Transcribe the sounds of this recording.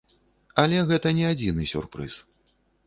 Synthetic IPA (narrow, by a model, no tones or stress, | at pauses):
alʲɛɣɛt̪ɐnʲɛad͡zʲinɨsʲṵrpɾɨ̰s